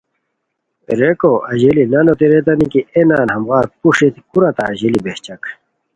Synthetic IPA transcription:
ɾekoʔɐʑelinɐnot̪eɾet̪ɐnikienaːnhɐmɣaːɾpuʂit̪ikuɾɐt̪aʑelibeht͡ɕɐk

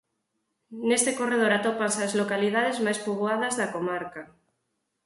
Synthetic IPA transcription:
nest̪ekoreð̞oɾat̪opansazlokalið̞aðezmajspuɣwaðɐzðakomaɾka

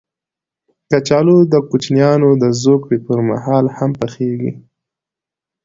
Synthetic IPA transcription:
kat͡ʃɑlod̪əkut͡ʃnjɑnod̪əzokɽepəɾma̰hɑlhampəxeɡḭ

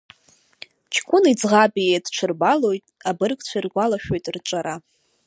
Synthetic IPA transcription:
t͡ʃʰkʷʼʊnid͡zʁabʼiedʈ͡ʂʷʰɨrbalo̞jtʼabɨrkʼt͡ɕʷʰarɡʷalaʃᶣo̞jtʼrt͡ʃʷʼaɾa

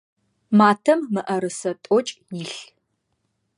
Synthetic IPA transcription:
maːtʰɐmːɨʔɐɾɨsɐtʼɔt͡ʃʼjɪɬ

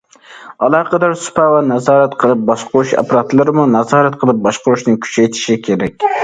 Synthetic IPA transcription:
ɑlˠɑːqʰəd̪ɑɾsʊ̥pʰæwanɑzɑːɾat̪qʰəlˠɨp̚bɑʃqʊɾuʃɛ̰pɾɑt̪lˠɨɾɪmunɑzɑːɾat̪qʰəlˠɨp̚bɑʃqʊɾuʃnɪŋkʲʰy̥t͡ʃʰæjt̪ʰɪ̥ʃɪkʲʰeɾɛkʲ

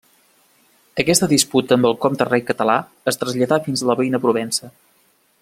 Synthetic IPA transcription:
əkɛst̪əðisput̪əːmbəlˠkɔmd̪ərɛjkət̪əla | əst̪ɾəzʎəðafinzləβəinəpɾuβɛnsə

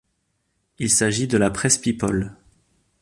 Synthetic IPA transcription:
ilsaʒid̪əlapχɛspipɔl

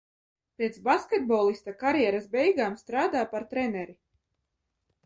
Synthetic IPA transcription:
pʲɛt̪sbaskʲɛt̪̚bolˠist̪akaɾjɛɾasbɛjɡaːmst̪ɾaːd̪aːpaɾt̪ɾɛnɛɾi

